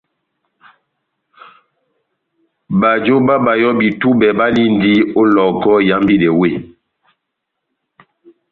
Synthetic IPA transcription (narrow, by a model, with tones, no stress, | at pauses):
ba˨d͡ʒo˦ba˦ba˨jɔ˦bi˨tu˦bɛ˨ba˦li˦ndi˦o˦lɔ˨kɔ˦ja˦mbi˦dɛ˨we˦˨